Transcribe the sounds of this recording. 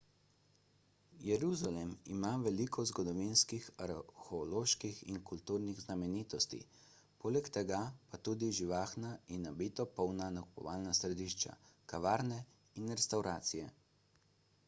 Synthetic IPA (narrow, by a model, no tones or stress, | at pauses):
jɛɾuzalɛmḭmaʋɛlikʰɔzɡɔd̪ɔʋinskixaɾxɛloːʃkixiŋkult̪uːɾniɣznamɛniːt̪ɔst̪ḭ | poːlɛkt̪ɛɡapat̪uːd̪iʒiʋaːxnainabit̪ɔpɔwnanaku̥pɔ̰ʋaːlnasɾɛd̪iʃt͡ʃa̰kaʋaːɾnɛ | inɾɛst̪awɾʔaːt̪sijɛ